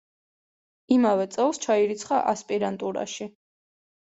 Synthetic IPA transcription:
imavɛt̪sʼɛlˠst͡ʃʰaiɾit̪sʰχaʔaspʼiɾant̪ʼuɾa̰ʃi

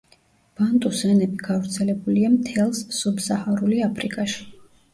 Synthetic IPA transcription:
b̥ant̪ʼusɛnɛbiɡ̥avɾt̪sʰɛlɛbuliamt̪ʰɛlˠssubsahaɾuliapʰɾikʼaʃi̥

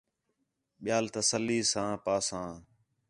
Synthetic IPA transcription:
ɓɪjaːlt̪əsəlːiːsãːpaːsãː

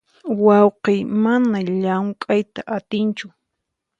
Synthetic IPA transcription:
wɑwqejmanaʎaŋkʼajt̪aʔat̪ɪnt͡ʃʊ

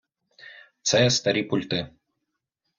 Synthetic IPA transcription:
t̪sɛst̪ɐɾʲipulʲt̪ɨ

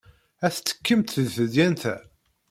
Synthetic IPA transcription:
æθt͡sːə̥kːəmt̪θəðθəd̪jænθæ

